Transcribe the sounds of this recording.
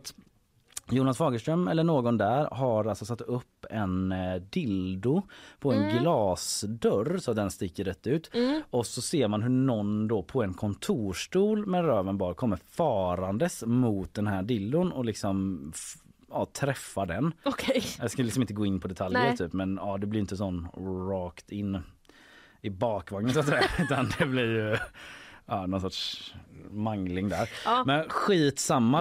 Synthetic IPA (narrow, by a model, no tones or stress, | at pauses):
t̪ | juːnasfɑːɡəʂt̪ɾœmːɛlːəɳoːɡɔnd̪æɾɦaɾalsɔsat̪ːɵpːɛnd̪ɪld̪ʊpʰɔɛnɡlɑːsd̪œɾsɔt̪̚d̪ɛnst̪ɪkːəɾɛt̪ːʉ̟ːt̪ɔsɔseːɾmanɦɵɳɔnd̪ɔpʰɔɛnkʰɔnt̪ʰuːʂʈuːlmɛnɾøːvənbɑːɾkʰɔmːəɾfɑːɾand̪əsmʊːt̪̚d̪ɛnhæːɖɪlːʊnɔlɪksɔm | ɑːt̪ʰɾɛfːaɖɛnkʰd̪ɛskalɪksɔmɪnəɡoːɪnːpʰɔd̪ɛt̪ʰalj̪jəɾt̪ʰyːpmɛnɑːd̪ɛblɪɾjʏɪnt̪əs̬ɔnːɾɑːkt̪ɪnː | ɪbɑːkvaŋnənsat̪sɛjaʉ̟ːt̪and̪ɛblɪɾjɵ | ɑːnɔnsɔtʂ | maŋlɪŋd̪æːɾmɛnɧiːt̪samːa